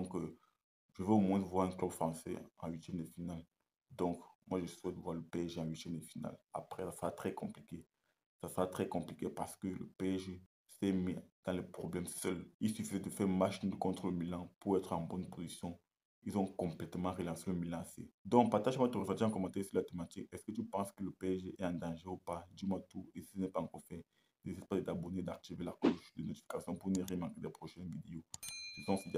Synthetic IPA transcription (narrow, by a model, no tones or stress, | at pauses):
d̪ɔ̃k | ʒəvəomwɛ̃vwaʁɛ̃klœbfχɑ̃sɛ̰ɑ̃ɥit̪jɛmd̪əfinal | d̪ɔ̃kmwaʒəsswɛt̪̚dəvwaʁləpeɛʒeɑ̃ɥit̪jɛmd̪əfina̰la̰pχɛsasəʁat̪χɛkɔ̃plike | sasəʁat̪χɛkɔ̃plikepaʁsə̥kələ̰peɛʒe | sɛmid̪̥ɑ̃lɛpχɔblɛmsœlilsyfizɛd̪əfɛʁmaʃind̪əkɔ̃t̪χoləmilɑ̃puʁɛt̪χɑ̃bɔnpozisjɔ̃ | ilzɔ̃kɔ̃plɛt̪mɑ̃ʁəlɑ̃seləmilɑ̃sḛd̪ɔ̃kpaʁt̪aʒmwat̪əʁəfɛ̃t̪ɑ̃kɔmɑ̃t̪ɛsilat̪emat̪ikɛskət̪ypɑ̃skələpeʒeʔɛɑ̃d̪ɑ̃ʒeupad̪imwat̪uesi̥sənɛpaɑ̃kɔʁfɛ | nezispad̪əd̪abɔned̪aʁt̪ivela̰koʃd̪ənot̪i̥fi̥kasjɔ̃puneʁemaʁked̪ɛpχɔʃɛnvid̪eoizɔ̃sid̪